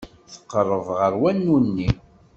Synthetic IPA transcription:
θə̥qːərˤːəvʁəɾwænːunːi

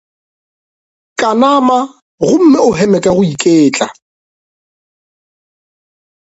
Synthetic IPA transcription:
kʼanama | ɣʊm̩mɪʊɦɛmɛkʼɛɣʊikʼeːt͡ɬʼa

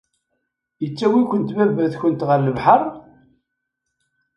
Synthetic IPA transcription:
jət͡sːæwikʷənt̪mævæθçənt̪ʁəɾləvħərˤ

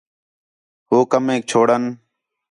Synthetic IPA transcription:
ɦoːkəmẽːk̚t͡ʃʰoːɽən

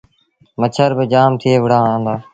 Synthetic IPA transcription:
mət͡ʃʰəɾbɪd͡ʒaːmt̪ʰɪeːʋəɽãːãːnd̪aː

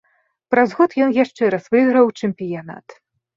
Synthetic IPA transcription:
pɾazɣɔt̪jɔnjaʂt͡ʂɛɾɐsvɨɣɾɐwt͡ʂɛmpʲijana̰t̪

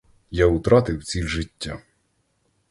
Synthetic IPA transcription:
jaʊt̪ɾɑt̪ɪwt͡sʲilʲʒɪtʲːa̰

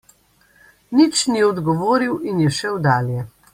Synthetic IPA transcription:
nit͡ʃniɔd̪ɡɔʋoːɾiwinjɛʃɛwd̪aːljɛ

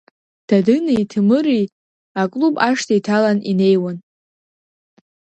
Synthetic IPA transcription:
d̥adɨnaitʰɨmɨɾi | akʼlubaʂtʰajtʰalanine̞jwan

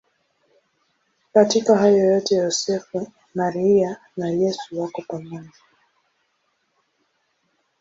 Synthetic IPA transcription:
katikahajɔjɔtɛjɔsɛfu | naɾiia | nalɛsuwakɔpamaɲa

